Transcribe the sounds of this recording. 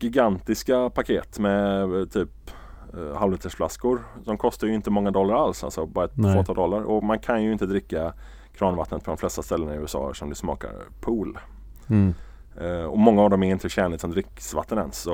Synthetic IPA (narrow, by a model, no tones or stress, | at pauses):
ɡɪɡant̪ɪskapʰakʰeːt̪mɛt̪ʰyːp | halvet̪əʂfla̰skʊɾd̪ɔmkʰɔst̪aɾjɵɪnt̪əmɔŋːad̪ɔlːaɾalsa̰lsɔbɑɾaɛt̪voːt̪ʰɑːld̪ɔlːaɾɔmankʰanjɵɪnt̪əd̪ɾɪkːa | kʰɾɑːnvat̪ːnət̪pʰɔd̪ɔmflɛst̪ast̪ɛlːənaɪʉːɛsɑ̰ːɛ̰ʂɔmd̪ɵsmɑ̰ːka̰ɾpʰuːl | ɔmɔŋːaːvd̪ɔmɛɾɪnt̪əɕɛnɪt̪sɔmd̪ɾɪkːsva̰t̪ːənɛ̰nsːɔ